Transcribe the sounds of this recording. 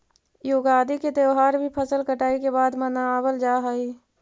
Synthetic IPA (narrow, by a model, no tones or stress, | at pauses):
joːɡaːd̪iket̪eʋɦaːɾbʱipʰəsəlkəʈaːikebaːd̪mənaaːbəld͡ʒaːɦəi